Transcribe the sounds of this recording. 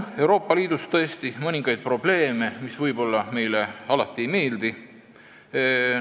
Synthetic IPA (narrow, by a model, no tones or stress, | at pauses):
e̞wɾo̞ːpːɑliːd̪̥ust̪ɤest̪imɤnʲiŋɡ̥ɑjd̪̚pro̞b̥le̞ːme̞misvɤjbo̞lːɑme̞jle̞ɑlɑt̪ːˑiejme̞ːld̪i